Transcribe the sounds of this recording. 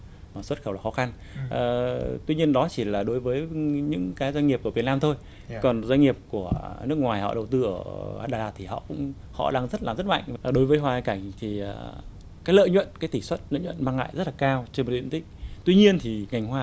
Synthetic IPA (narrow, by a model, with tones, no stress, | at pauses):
maː˨˩swə˦˥t̚xə˧˩wlaː˨˩xɔ˨˦xa˧n | ʔəː˨˩t̪wi˧ɲi˧ənɗɔ˨˦t͡ɕi˧˩laː˨˩ɗo˨˦jvəː˨˦jɲɨ̰˧˥ŋkaː˨˦jzwa˧ɲŋi˨˩əp̚ku˧˩vi˨˩ətnaː˧mt̪ʰo˧j | kɔ˨˩nzwŋ̟ŋi˨˩əp̚ku˧˩ənɨ˦˥ək̚ŋwaː˨˩jhɔ̰˧˨ɗə˨˩wt̪ɨ˧ʔəː˧˩aː˧˩ɗaː˧˩laː˧˩t̪ʰi˨˩hɔ̰˧˨kʊ̰˧˥ŋ͡m | hɔ̰˧˨ɗaː˧ŋzə˦˥t̚laː˨˩mzə˦˥t̚ma̰˧˨jŋ̟vɗo˨˦jvəː˨˦jɦwaː˧˩˧ka˧˩jŋ̟t̪ʰiː˨˩˨ | kaː˨˦jlə̰ː˧˨jɲwə̰˧˨nkaː˨˦jt̪i˧˩swə˦˥t̚lə̰ː˧˨ɲwə̰˧˨nmaː˧ŋa̰ː˧˨jzə˦˥t̚laː˨˩kaː˧wt͡ɕe˧nmo˨˩t̚ɗḭ˧˨nt̪ï˦˥k̟̚t̪wi˧ɲi˧ənt̪ʰi˨˩ŋa˨˩ŋ̟hwaː˧˩